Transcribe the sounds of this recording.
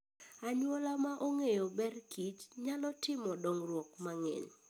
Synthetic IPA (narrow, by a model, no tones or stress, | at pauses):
aɲwolamaʔoŋejobɛrkit͡ʃɲalɔtɪmɔdoŋrwɔkmaŋɛ̰ɲ